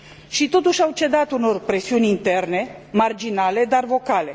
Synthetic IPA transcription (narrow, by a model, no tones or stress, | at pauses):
ʃit̪o̞t̪uʃʲawt͡ʃe̞d̪at̪uno̞rpɾe̞siunʲint̪e̞rne̞mard͡ʒinale̞d̪arvo̞kale̞̰